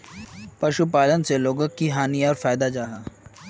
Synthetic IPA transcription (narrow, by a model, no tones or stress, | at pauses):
pɐʃupaːlənseloːɡəkːiɦaːnijaɔːɾfaːjd̪ad͡ʒaːɦaː